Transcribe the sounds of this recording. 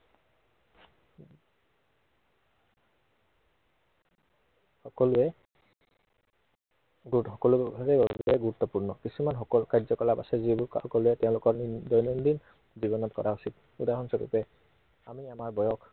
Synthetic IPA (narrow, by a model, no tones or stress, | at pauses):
hɔkɔlʊɛ | ɡxɔkɔlubʱabɛbbɛɡuɹut̪ːɔpuɹnɔkisumanɦɔkɔlkajzɔkɔlapa̰sɛzibuɔkɔluɛtɛʊ̃lʊkɔɹdɔjnɔndin | zibɔnɔtkɔ̰ɹausit̚ | udaɦɔnsɔkḭpɛ | amiamaɹbɔjɔk